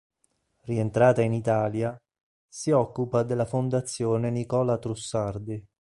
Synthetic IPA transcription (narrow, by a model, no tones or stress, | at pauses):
rient̪ɾaːt̪ainit̪aːlja | siɔkːupad̪elːafond̪at̪sːjoːnenikɔːlat̪ɾusːard̪i